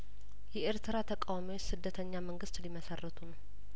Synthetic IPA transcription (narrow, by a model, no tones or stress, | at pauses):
jɛʔeɾt̪ʰɨɾat̪ʰəkʼawamiwot͡ʃːsɨd̪ːət̪ʰəɲːaməŋɡɨst̪liməsərːət̪ʰunəw